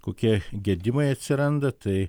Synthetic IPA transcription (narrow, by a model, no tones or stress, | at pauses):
koːkʲiɛɡʲɛd̪ʲɪmɐɪɐt̪ʲsʲɪɾɐnd̪ɐt̪ɐɪ